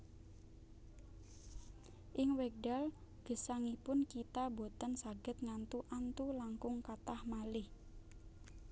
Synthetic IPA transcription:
ʔɪŋwɛk̚ɖalɡ̥ə̤saŋipʊnkit̪abo̤t̪ənsaɡ̥ə̤t̪̚ŋant̪uʔant̪ulaŋkʊŋkat̪ahmalɪh

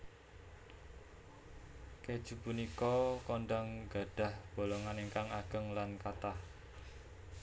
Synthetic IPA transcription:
ked̥ʒ̥upunikɔkɔɳɖaŋɡa̤ɖ̥a̤hb̥o̤lɔŋaneŋkaŋaɡ̥ə̤ŋlankat̪ah

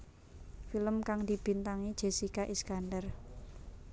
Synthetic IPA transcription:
filəmkaŋd̪̥i̤b̥i̤nt̪aŋid̥ʒ̥e̤sikaʔiskandər

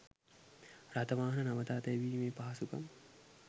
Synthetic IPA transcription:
ɾɐt̪ɐʋaːɦɐnɐnɐmɐt̪aːt̪ɐjʋiːmeːpaɦɐsukɐ̰m

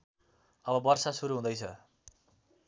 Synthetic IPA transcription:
ʌbʌbʌrsasuɾuɦũd̪ʌjt͡sʰʌ

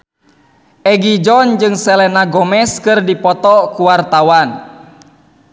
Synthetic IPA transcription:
ʔɛɡid͡ʒɔnd͡ʒɨŋsɛlɛnaɡɔmɛskɨrdipɔt̪ɔkuwart̪awan

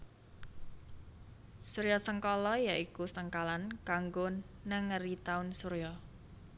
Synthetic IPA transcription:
suɾejɔsəŋkɔlɔjaʔikusəŋkalankaŋɡʊnː | əŋərit̪aʊnsuɾjɔ

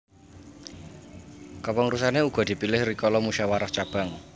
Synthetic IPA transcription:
kɔpɔŋrusaneuɡ̥ɔ̤d̪̥i̤pilɪhrikɔlɔmuʃawaɾɔht͡ʃab̥a̤ŋ

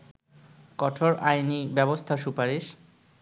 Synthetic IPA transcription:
kɔʈʰoɾajnibɛbost̪ʰaʃupaɾiʃ

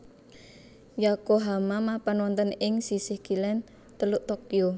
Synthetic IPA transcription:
jakoɦamamapanwɔnt̪ənɪŋsisɪhɡ̥ilɛn | t̪əluʔt̪okio

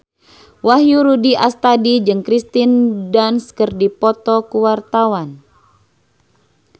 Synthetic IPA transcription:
wahjuɾudiʔast̪adid͡ʒɨŋkɾist̪indanskərdipɔt̪ɔkuwart̪awan

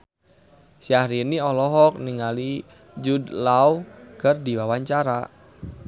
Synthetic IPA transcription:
siahɾiniɔlɔɦɔk̚niŋali | d͡ʒudlaukərdiwawaɲt͡ʃaɾa̰

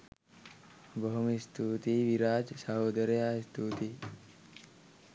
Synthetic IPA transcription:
bəɦmist̪uːt̪iʋiɾaːd͡ʒsaɦoːd̪əɾjast̪ʰuːt̪i

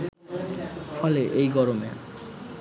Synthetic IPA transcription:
fʰɔleʔejɡɔɾomḛ

